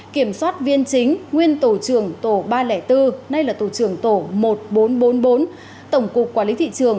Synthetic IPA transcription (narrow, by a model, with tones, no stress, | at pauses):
ki˧˩əmswaː˦˥t̚vi˧ənt͡ɕï˨˦ŋ̟ŋwi˧ənt̪o˧˩t͡ɕɨ˧˩əŋt̪o˧˩ɓaː˧lɛ˧˩t̪ɨ˧na˧jlaː˨˩t̪o˧˩t͡ɕɨ˧˩əŋt̪o˧˩mo˨˩t̚ɓo˨˦nɓo˨˦nɓo˨˦n | t̪ə˧˩wŋ͡mkʊ˨˩k͡pk̚ːwaː˧˩lḭ˨˦t̪ḭ˧˨t͡ɕɨ˨˩əŋ